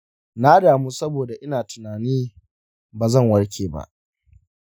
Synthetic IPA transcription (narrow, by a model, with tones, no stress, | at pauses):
na˦daː˨muː˦sɐ˦boː˨da˨ʔɪ˦naː˨tʊ˨naː˨niː˦ | baː˨zɐ˦˨ŋwɐ˦ɽkʲʰeː˨ba̰˦ʔ